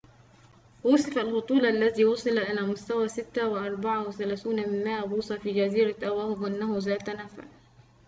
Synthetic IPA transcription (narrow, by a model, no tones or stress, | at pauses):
wʊsˤɪfalhot̪ˤuːlʔalːæðiːwɑsˤɨlaʔɪlæːmʊst̪æwæːsɪt̪ːawɪʔɑɾˤbɑʕawɪθælæːθuːnmɪnmaːʔbuːsˤɑfiːd͡ʒæziːɾaʔæwæːhɪbʔɪnːæhʊzæːt̪ænæfa̰